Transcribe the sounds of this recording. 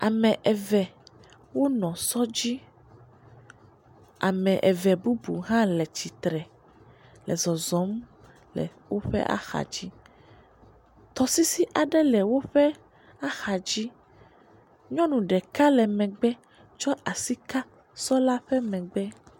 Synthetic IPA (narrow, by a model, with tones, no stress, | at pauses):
a˨mɛ̃˨ʔɛ˨vɛ˨ | wo˦nɔ̃˨sɔ˦d͡ʑi˦ | a˨mɛ̃˨ʔɛ˨vɛ˨bu˦bṵ˨ɦã˦lɛ˨t͡ɕi˨t̪ɾɛ˨ | lɛ˨zɔ˨zɔ̃˨˦m | lɛ̰˨wo˦ɸɛ̰˦ʔa̰˦xa̰˨d͡ʑi˦ | t̪ɔ˨si˦si˦ʔa˨ɖɛ˦lɛ˨wo˦ɸɛ˦ | a˦xa˨d͡ʑi˦ | ɲɔ̃˦nũ˨ɖɛ˨ka˦lɛ˨mɛ̃˨ɡ͡bɛ˦ | t͡ʃɔ˦ʔa˨si˦ka˦ | sɔ˦la˦ɸɛ˦mɛ̃˨ɡ͡bɛ˦